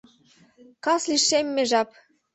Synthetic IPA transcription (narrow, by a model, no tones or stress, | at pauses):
kɑsliʃemːeʒɑp